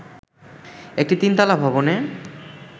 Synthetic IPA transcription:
ek̚ʈit̪int̪alabʱɔbone

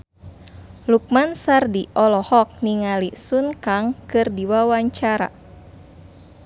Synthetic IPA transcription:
luk̚mansardiʔɔlɔhɔk̚niŋalisunkaŋkɨrdiwawaɲt͡ʃaɾa̰

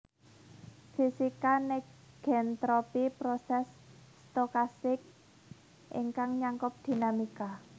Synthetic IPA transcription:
fisikanɛk | ɡ̥ɛnt̪ɾopipɾosɛsː | t̪okast̪ɪk̚ | ʔɪ̰ŋkaŋɲaŋkʊp̚d̪̥i̤namika

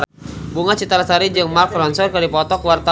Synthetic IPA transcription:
buŋat͡ʃit̪aɾasaɾid͡ʒəŋmarkrɔnsɔrkadipɔt̪ɔkwart̪a

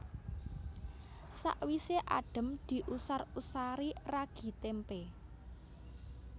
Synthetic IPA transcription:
sa̰ʔwiseʔa̰ɖ̥ə̤md̪̥i̤ʔusarusaɾiraɡ̥i̤t̪empe

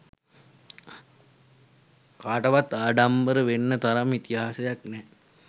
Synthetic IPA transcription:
kaːʈɐʋat̪ːaːɖambəɾəʋenːət̪aɾamit̪iɦaːsejaknɛ

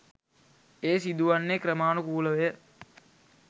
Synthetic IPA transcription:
eːsid̪uʋanːekɾəmaːnukuːləʋejə

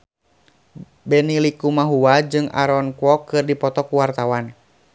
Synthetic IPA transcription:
bɛnilikumaɦuwad͡ʒɨŋa̰ɾɔnkɔkɨrdipɔt̪ɔkuwart̪awan

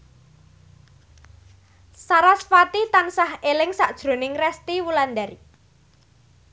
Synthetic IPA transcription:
saɾasfat̪it̪ansaɦelɪŋsaʔd̥ʒ̥ɾo̤nɪŋrɛst̪iwuland̪aɾi

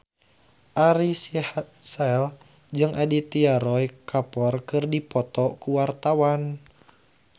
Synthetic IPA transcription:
ʔaɾisihat̪sɛl | d͡ʒɨŋʔadit̪iaɾɔjkʰapɔrkɨrdipɔt̪ɔkuwart̪awan

